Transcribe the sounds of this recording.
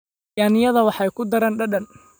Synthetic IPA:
jaːnɪjɐðɐwɑħɑjkʰʊd̪ɐɾaːnɖɐɗɐn

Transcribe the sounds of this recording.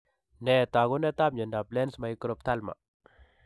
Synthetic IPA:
net̪aɡonɛt̪amɲɛndablensmajikɾopt̪ʰalma̰

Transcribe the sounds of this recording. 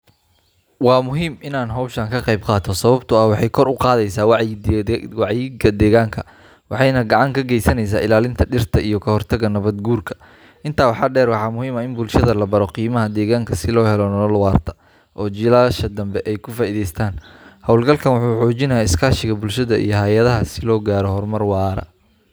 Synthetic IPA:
wɑːmʊɦiːmɪnaːnɦɔwʃɐːŋkʰɐqɑjb̚qɑːt̪ʰɔsɐβɐbt̪ʰʊɐwɑħɑjkʰɔɾʊqɑːðɛjsaːw | wɑʕjɪɡɐd̪ɛːɣaːŋkʰɐ | wɑħɑjnɐɡɑʕɑŋkʰɐɡɛjsɐnɛjs̬aːɪlaːlɪnt̪ʰɐɖɪrt̪ʰɐʔijɞkʰɐɦɔrt̪ʰɐɣɐnɐβɐd̪̚ɡuːrkʰɐ̥ | ʔɪnt̪ʰaːwɑħɑːɖɛːrwɑħɑːmʊhiːmɐɪnbʊlʃɐðɐlɐbɐɾɔqiːmɐɦɐd̪ɛːɣaːŋkʰɐsɪlɔːhɛlɔnlwɑːrt̪ʰɐ̥ | ʔɔːt͡ʃɪlaːʃɐd̪ɐmbɛʔɛjkʰʊfaːiðɛjst̪ʰaːnhɐwlɡɐlkʰɐnwʊħuːħuːt͡ʃɪnɐjaːɪskʰaːʃɪɣɐbʊlʃɐðɐʔḭjɞɦɐjɐðɐɦɐsɪlɔːɡaːɾɔhɔrmɐrwɑːɾɐ̰

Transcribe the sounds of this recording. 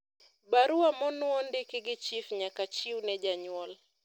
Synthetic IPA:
baɾuamɔnuɔndikiɡit͡ʃifɲakat͡ʃiunɛʄaɲwɔl

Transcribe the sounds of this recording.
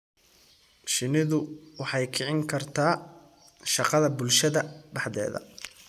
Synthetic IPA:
ʃɪnɪðʊwɑħɑjkʰɪʕɪŋkʰɐrt̪ʰaː | ʃɑqɑðɐbʊlʃɐðɐbɑħðɛ̰ːðɐ̰

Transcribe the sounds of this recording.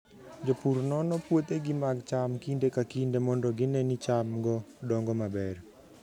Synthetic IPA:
d͡ʒopuɾnɔnɔpwot̪eɡɪmaɡt͡ʃamkindekakindemɔndɔɡɪnɛnit͡ʃamɡɔdɔŋɡɔmabɛr

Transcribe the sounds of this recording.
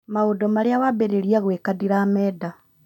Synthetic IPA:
maodomaɾejawaβeɾeɾijaɣwekadiɾaːmeːda

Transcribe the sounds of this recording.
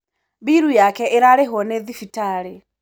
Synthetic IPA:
biɾujakɛʔeɾaɾeɦɔneðifitaːɾe

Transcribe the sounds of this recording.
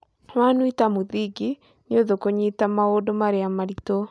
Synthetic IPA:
wanuitamuðiɡi | nɪoðokoɲitamaoːdomaɾeamaɾito

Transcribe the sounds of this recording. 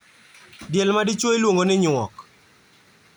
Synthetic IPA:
djelmadɪt͡ʃwoilwoŋɡonɪɲwɔk

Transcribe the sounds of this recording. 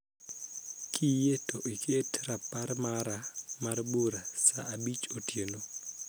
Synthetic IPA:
kʰijetoʔikʰetɾapaɾmaɾamarbuɾasa̰ːbit͡ʃotjeno

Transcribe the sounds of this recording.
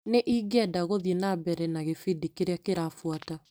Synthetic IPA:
neʔiːɡeadaɣoðienabɛɾɛnaɣefidikeɾeakeɾafwata

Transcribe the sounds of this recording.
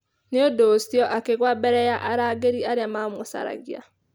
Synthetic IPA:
neodosiɔʔakeɣwabɛɾɛjaʔaɾaɡeɾiaɾeamamosa̰ɾa̰ɣja̰

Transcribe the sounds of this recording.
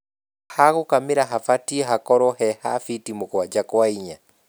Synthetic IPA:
haɣokamiɾaɦafatiɦakɔɾɔhɛhafitimokwad͡ʒakwaiɲa

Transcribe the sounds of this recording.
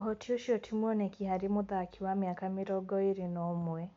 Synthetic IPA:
hɔtʰiɔʃiɔtʰimwɔnɛkiɦaɾimʊðaːkʰiwamjakamiɾɔɡɔiɾinɔmwɛ

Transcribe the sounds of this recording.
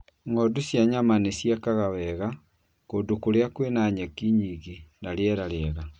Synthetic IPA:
ŋɔdosjaɲamanesjakaɣawɛɣa | koːdokoɾeakwenaɲakiɲiːɣinaɾeɛɾaɾɛɛɣa

